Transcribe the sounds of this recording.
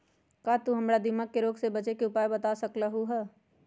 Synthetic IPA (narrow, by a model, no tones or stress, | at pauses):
kat̪uɦɐmɾad̪ɪməkːeɾoːɡsebət͡ʃekeʊpaːjbət̪asəkɾəɦuɦɛː